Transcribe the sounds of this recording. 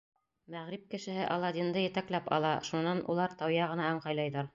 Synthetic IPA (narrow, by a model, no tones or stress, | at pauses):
mæʁɾip̚kɘ̆ʃɘ̆ɦɘʔɑlˠɑd̪ind̪ɤjɘ̆t̪æklæpɑ̰lˠɑʃunːɑnʔṵlˠɑɾt̪ɑwjɑʁɤ̆nɑɑɴqɑjlˠɑjðɑɾ